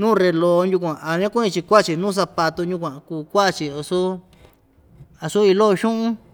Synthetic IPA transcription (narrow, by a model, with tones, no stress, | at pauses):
nũː˦˨ɾe˧lo˧˦˧nju˧k̬ʷã˨a˨ɲã˦kʷũ˦ĩ˧t͡ʃi˧kʷa˦˨t͡ʃi˨nũː˦˨s̬a˧pa˧t̪u˧ɲũ˧k̬ʷã˨˧kuː˧˨kʷa˦˧˨t͡ʃi˨o˧su˦ | a˧su˦i˧lo˦˧ʃũ˦ʔũ˦